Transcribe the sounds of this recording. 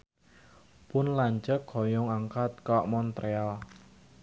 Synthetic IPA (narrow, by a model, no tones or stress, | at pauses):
pʊnlaɲt͡ʃəkʰɔjɔŋaŋkat̪̚kɔʔmɔnt̪ɾeal